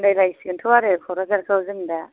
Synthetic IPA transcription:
ndajlajsiɡɯntʰɯwaɾɯkʰɔɾazaɾkawzɯnda

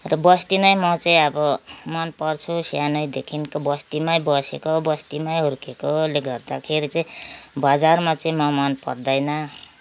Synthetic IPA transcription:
rʌbʌst̪imaj̃mʌt͡saĩʌbʌmʌnpʌrt͡sʰusjanʌjd̪ekʰinkobʌst̪imajbʌsekobʌst̪imaj̃ɦurkekoleɡʌrd̪akʰeɾit͡saĩbad͡zarmat͡sʌĩmʌmʌnpʌ̰rd̪ʌjnʌ

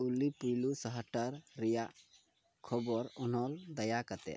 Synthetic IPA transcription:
ulipujlusəɦəʈaɾːɛjaʔ | kʰɔbɔɾɔnɔld̪əjakat̪ɛ̰

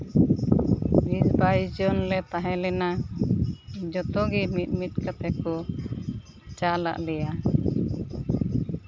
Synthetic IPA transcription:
bisbajd͡ʒɔnlɛt̪aɦɛ̃lɛna | d͡ʒɔt̪ɔɡimit̪̚ˀmit̪̚kat̪ɛkɔ | t͡ʃala̰ʔlɛja

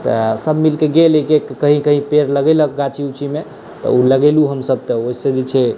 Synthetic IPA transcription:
t̪ɔsəbmilkeɡelekekkəɦĩkəɦĩpeɾləɡɛlək̚ɡat͡ʃʰiut͡ʃʰime | t̪ɔ̰uləɡeluɦəmsəb̚t̪əoised͡ʒit͡ʃʰɛ

